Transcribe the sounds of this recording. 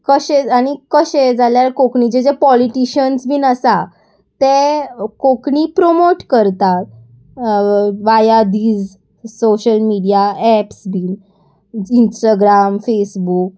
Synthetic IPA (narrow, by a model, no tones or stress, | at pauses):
kəɕẽañikəɕed͡zaljaɾkokɳid͡ʑed͡ʑepɔliʈiɕənsbʱiːnəsa | t̪ekokɳipɾomoʈkəɾt̪at̪̚ | ʋajad̪iːd͡z | soɕəlmiɽijaɛpsbʱiːn | insʈaɡɾamfesbuk̚